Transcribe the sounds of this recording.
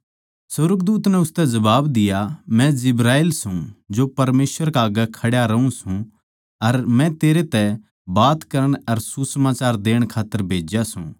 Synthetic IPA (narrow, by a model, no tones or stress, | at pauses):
sʊɾɡd̪uːt̪nɛʊst̪ɛd͡ʒɐbaːbd̪ɪjamɛ̃d͡ʒɪbɾaːelsũd͡ʒopɐɾmeːsʋəɾkaːɡəkʰɐɽjaɾɐũsũ | ɐɾmɛ̃t̪eːɾet̪ɛ | baːt̪kɐɾəɽ̃ɐɾsusɐmaːt͡ʃaːɾd̪eːəɽ̃kʰaːt̪ːəɾbʱeːd͡ʒjasṵ̃